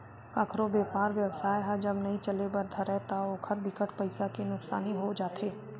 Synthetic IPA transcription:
kaːkʰɾobeːpaːɾʋjɐwsaːjɦad͡ʒɐbnɐɦĩt͡ʃɐlebɐɾd̪ʱaɾɛɦt̪aoːkʰəɾd̪ɪkəʈpɐɪsakenʊksa̰ːniɦod͡ʒaːt̪ʰeː

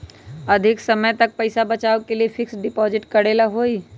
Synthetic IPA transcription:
ɐd̪ʱɪksɐməjt̪ɐk̚pɐɪsabɐt͡ʃaːokeliefʰɪksɖɪpɔːzɪʈkɐɽeːlaɦoːi

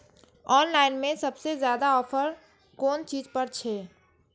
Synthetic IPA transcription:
ɔːnlaːɪnmẽsɐbsezjaːd̪aɔːpʰəɾ | koːnt͡ʃiːzpəɾt͡ʃʰɛː

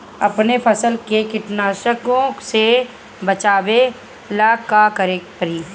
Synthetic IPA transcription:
ɐpnepʰɐsəlkekɪʈnaːʃəkõse | bɐt͡ʃaːbe | laːkːakɐɾeːkpəɾiː

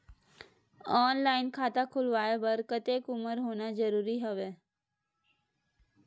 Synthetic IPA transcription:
ɔːnlaːɪnkʰaːt̪akʰʊlʋaːebɐɾkət̪eːkʊməɾɦoːnazəɾuːɾiɦɐʋeː

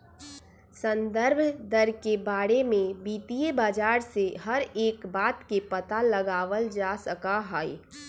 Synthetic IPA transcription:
sə̃nd̪əɾbʱd̪əɾkebaːɽemẽbiːt̪ijebaːd͡ʒaːɾseɦəɾeːkbaːt̪kepət̪aləɡaːʋəld͡ʒasəkaɦaːḛ

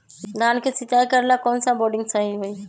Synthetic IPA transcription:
ɡankʰesɪt͡ʃaːjkəɾlakɔːnsaboːɖɪ̃ŋɡsəɦiɦoi

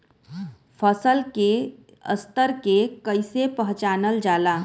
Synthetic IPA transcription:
pʰəsəlke | ə̰st̪əɾkekəɪsepəɦt͡ʃaːnəld͡ʒaːlaː

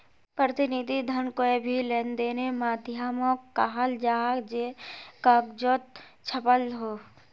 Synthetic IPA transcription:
pɾət̪ɪnid̪ʱid̪ʱənkoebʱileːnd̪eːnemaːd̪jaːmokːaɦald͡ʒaːɦd͡ʒekəkd͡ʒot̪̚ | t͡ʃʰəpəlɦoː

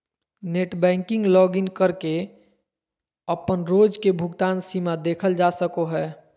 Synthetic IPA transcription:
neʈbɛ̃ːŋkɪ̃ŋɡlɔːɡɪnkəɾke | əpənɾoːd͡ʒkebʱʊɡt̪aːnsimad̪eːkʰəld͡ʒasəkoɦɛː

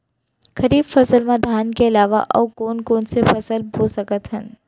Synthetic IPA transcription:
kʰɐɾiːbfɐsəlmãd̪ʱaːnkeɪlaːʋa̰ʔɔ̰ːkoːnkoːnsefɐsəlbʱoːsɐkət̪ɦə̃n

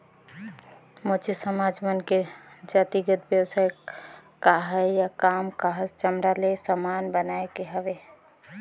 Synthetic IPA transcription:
mot͡ʃisəmaːd͡ʒmənked͡ʒaːt̪iɡət̪bjəwsajkaɦɛjjakaːmkaɦəst͡ʃəmɾalesəmaːnbənaekeɦəʋe

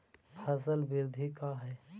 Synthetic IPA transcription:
pʰɐs̬əlbɪɾd̪ʱikaɦɛː

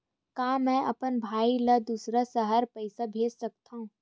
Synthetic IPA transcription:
kaːmɛ̃ːʔɐ̰pənbʱaːiləd̪uːsɾasəɦəɾpɐɪsabʱeːd͡ʒsɐk̚t̪aɦũː

